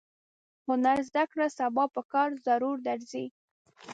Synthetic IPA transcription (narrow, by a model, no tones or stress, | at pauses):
hʊnaɾzd̪akɽasabɑpəkɑɾzaɾuɾd̪aɾzi